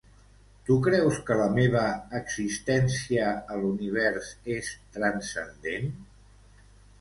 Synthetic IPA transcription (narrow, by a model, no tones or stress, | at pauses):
t̪ukɾɛwskələmeβ̞əːɡzist̪ɛnsiəːluniβ̞ɛɾsest̪ɾənsənd̪en